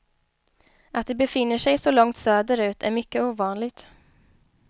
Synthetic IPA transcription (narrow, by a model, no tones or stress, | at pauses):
ʔat̪̚d̪ɛbɛfɪnːəʂɛjsɔlɔŋt̪søːd̪əɾʉ̟ːt̪ʰæ̰ɾmʏkːəuːvɑːnlɪɡt̪